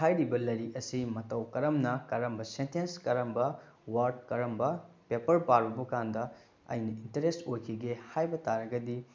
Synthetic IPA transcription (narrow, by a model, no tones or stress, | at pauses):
tʰajɾibɐlɐjɾiɐsimɐtɐwkɐɾɐmnɐkɐɾɐmbɐsentenskɐɾɐmbɐ | waɾd̚kɐɾɐmbɐ | pepɐɾpaɾubɐkandɐ | ɐ̰jnɐintɐɾestojkʰiɡehajbɐtaɾɐɡɐdi